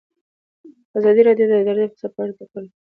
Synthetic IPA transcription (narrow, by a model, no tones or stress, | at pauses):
azɑd̪iɾɑdjod̪aɡ̪aɾd̪xsapaɾt̪akəl